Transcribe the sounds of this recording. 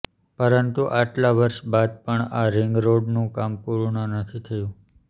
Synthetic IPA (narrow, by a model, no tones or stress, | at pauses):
pəɾənt̪uʔaʈlaʋəɾʃbad̪̚pəɳaɾɪŋɡɾoɖnũkampuɾɳənət̪ʰit̪ʰəjũ